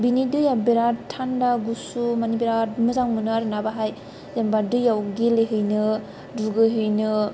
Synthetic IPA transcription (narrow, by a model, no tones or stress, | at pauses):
binidɯjabeɾatʰandaɡusumanibeɾatmɯzaŋmɯnaɾnabaɦaj | jambadɯjawɡileɦɯjnɯ | duɡɯɦɯjnɯ